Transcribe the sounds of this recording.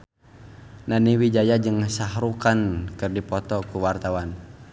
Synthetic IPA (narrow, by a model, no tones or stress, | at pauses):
naniwid͡ʒajad͡ʒɨŋsaɦɾukankɨrdipɔt̪ɔkuwart̪awan